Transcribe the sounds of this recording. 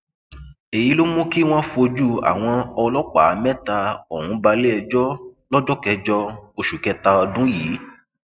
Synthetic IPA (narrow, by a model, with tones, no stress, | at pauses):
e˨ji˨˦lo˦mũ˦ki˦w̃ɔ̃˦fo˧d͡ʒu˦a̰˨w̃ɔ̃˧ɔ˧lɔ˦k͡pa˨˦mɛ̃˦ta˧o˨hũ˧˦ba˧le˦ɛ˧d͡ʒɔ˦lɔ˦d͡ʒɔ˦kɛ˧d͡ʒɔ˧o˧ʃu˨kɛ˧˦ta˧ɔ˧dũ˦jiː˨˦